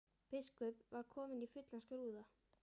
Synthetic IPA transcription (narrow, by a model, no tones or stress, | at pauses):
pɪskœpvaɾkʰɔːmɪnifʏt̪lanskʏɾuːða